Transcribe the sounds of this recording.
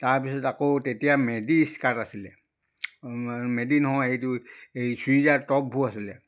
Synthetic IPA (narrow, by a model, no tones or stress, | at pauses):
taɹpisɔtakotetijamediskatasilɛ | medinɦɔ̃ejtuejsizatɔp̚bʱuasilɛ